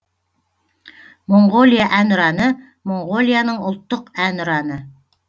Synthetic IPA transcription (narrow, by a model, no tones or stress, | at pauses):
mo̞ɴɢo̞lʲijaʔænʊɾɑnə | mo̞ɴʁo̞lʲjanəɴʊlˠt̪ːəqænʊɾɑnə